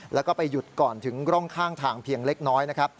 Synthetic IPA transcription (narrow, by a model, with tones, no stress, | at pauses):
lɛː˦˥wkɔː˥˩pa˧jːu˨˩t̪̚kɔː˨˩nt̪ʰɯ˩˦ŋkɾɔ˥˩ŋkʰaː˥˩ŋt̪ʰaː˧˩ŋpʰiː˧əŋle˦˥k̚nɔː˦˥jna˦˥kʰɾa˦˥p̚